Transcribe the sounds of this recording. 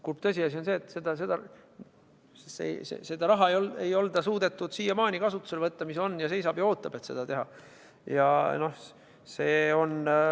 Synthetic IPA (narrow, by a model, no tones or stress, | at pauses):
kurpt̪ɤsʲiɑs̬ionse̞ːt̪ːˑsed̪̥ɑse̞d̪̥ɑ | sḛjsḛse̞d̪ɑɾɑɦɑejolejo̞ld̪̥ɑsuːd̪̥e̞t̪ːˑud̪̥siːjɑmɑːnʲikɑsut̪ːˑu̥selvɤt̪ːɑmiso̞nːjɑse̞jsɑb̥jɑoːt̪ːˑɑb̥et̪se̞d̪̥ɑt̪e̞ɦɑ | jɑ̰no̞h | se̞ːo̞n